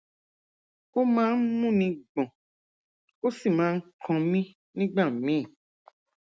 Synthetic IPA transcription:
o˦mãː˦n̩˦mũ˦nĩ˧ɡ͡bɔ̃˨ | o˦si˦˨mãː˨˦ŋ̩˦kʰɔ̃˧mĩ˦ | nĩ˦ɡ͡ba˦˨mĩ˦˨

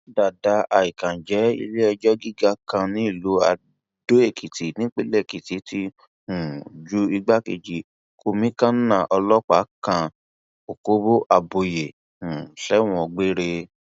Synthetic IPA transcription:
da˨da˨˦a˨i˨kã˨d͡ʒɛ˨˦ḭ˧le˦ɛ˧d͡ʒɔ˦ɡi˦ɡa˦kã˧nĩ˦i˦˨lo˨˦a̰˧ | do˦e˦˨kʰi˨ti˨˦nĩ˦k͡pe˦lɛ˦˨ki˨ti˨˦ti˦ | ũ˨d͡ʒu˦i˧ɡ͡ba˦ke˨d͡ʒi˨˦ | kʰo˧mĩ˦kã˦nã˦˨ʔɔ˧lɔ˦k͡pa̰˨˦kã˧ | o˨ko˦bo˦ʔa˧bo˧je˨ | ũ˨ɬɛ˨˦w̃ɔ̃˧ɡ͡be˦ɾe˧

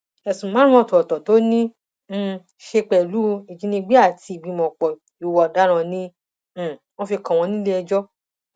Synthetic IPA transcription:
ɛ˨sũ˨mã˨˦ũ˦ɔ̃˦˧˨tɔ˨tɔ˨to˨˦nĩ˦˨ | ʃe˧k͡pɛ˨lu˦i˨d͡ʒĩ˨˧nĩ˧˦ɡ͡bi˦a˦˨ti˧i˨ɡ͡bi˨˧mɔ̃˨k͡pɔ˨ | i˨wɔ˨da˦ɾ̃ã˧nĩ˧˨ | w̃ɔ̃˦fi˧kã˨w̃ɔ̃˧nĩ˦le˦ɛ˧d͡ʒɔ˦

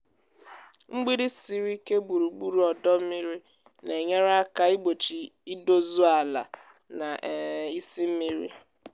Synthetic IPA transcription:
ŋ͡m̩˦ɡ͡bi˦ɾi˦si˨ɾi˦ke˦ɡ͡bu˨ɾu˨ɡ͡bu˦ɾu˨ɔ˨dɔ˦mi˦ɾi˦ | ne˨ɲe˦ɾa˦ka˦i˦ɡ͡bo˨t͡ʃi˨i˦do˦zu˦a˨la̰˨ | na˨i˦si˦m̩˦mi˦ɾḭ˦

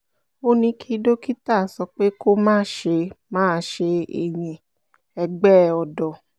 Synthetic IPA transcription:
o˦nĩ˧kʰi˦do˦ki˦ta˦˨sɔ˧k͡pe˦ko˦mãː˦ʃe˧mãː˦˧ʃe˧ḛ˨j̃ĩ˨ | ɛ˧ɡ͡bɛ˦˨ɔ˧dɔ˨

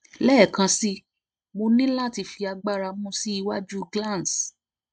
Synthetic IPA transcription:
lɛ˦˨kã˧si˦ | mo˧nĩ˦la˦˨ti˧fi˧a˧ɡ͡ba˦˨ɾa˧mũ˦si˦i˧wa˦d͡ʒu˦ɡlã˦˨ns

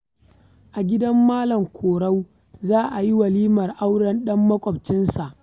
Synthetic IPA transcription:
ʔa˨ɡʲɪ˦dɐ˦mːaː˦lɐ˨ŋkʷʰoː˨ɽa˦w | zaː˦ʔa˨ji˦wɐ˨liː˦mɐ˨rʔa˦wɽɐ˦nɗɐ˦mːɐ˦kʷʼɔ˨bt͡ʃɪ˦nsa˨ʔ

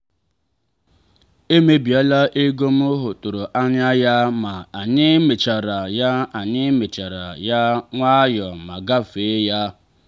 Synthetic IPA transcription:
e˦me˦bi˨a˦la˦ʔe˦ɡo˦m˦ʊ˦ɦʊ˨tʊ˨ɾo˨ʔa˦ɲ˦a˦ja˦ma˨a˨ɲɪ˦me˨t͡ʃa˨ɾa˨ja˦a˨ɲɪ˦me˨t͡ʃa˨ɾa˨ja˦ŋʷa˦jɔ˨ma˨ɡa˦fe˨˦ja˦

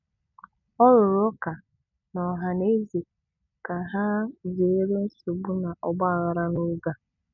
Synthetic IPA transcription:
ɔ˦ɾʊ˨ɾʊ˦ka˨ | nɔ˨ɦa˨ne˦ze˨ | ka˨ɦa˦ze˨˦ɾe˦n̩˦so˨ɡ͡bu˦na˨ʔɔ˦ɡ͡ba˦a˨ɣa˨ɾa˦no˦ɡa˦

